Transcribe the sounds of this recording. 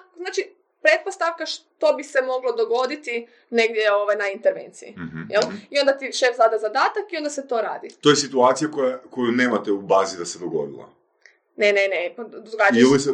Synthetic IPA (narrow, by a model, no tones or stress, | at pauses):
znaːt͡ʃi | pɾet̪̚po̞st̪aʋkaʃt̪o̞bisemo̞ɡlod̪o̞ɡo̞d̪it̪i | ne̞ɡd̪jeo̞ʋajnaint̪e̞ɾʋe̞̰nt̪sijijelio̞nd̪at̪iʃe̞fzaːd̪azad̪aːt̪akio̞nd̪aset̪o̞ɾa̰ːd̪it̪o̞jesit̪uaːt̪sijakojakojune̞mat̪eubaːzid̪ased̪oɡo̞̰d̪ḭlˠa̰ | nenenepd̪oɡaːd͡ʒelise